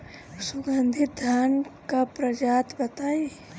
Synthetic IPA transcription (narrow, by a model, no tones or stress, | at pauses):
sʊɡənd̪ʱit̪̚d̪ʱaːnkapɾəd͡ʒaːt̪bət̪aːe